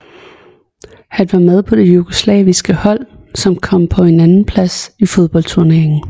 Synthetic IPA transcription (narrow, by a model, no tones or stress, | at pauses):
hænʋɑ̈með̞ˠpʰɒ̽d̥e̝juɡ̥o̝slɛːʋisɡ̥əhɒ̽l̰ | sɒ̽mkʰɒ̽m̰pʰɒ̽e̝nænn̩pʰlæsifo̝ð̞ˠb̥ɒ̽l̰d̥t͡sʰuɐne̝ɐ̰eŋn̩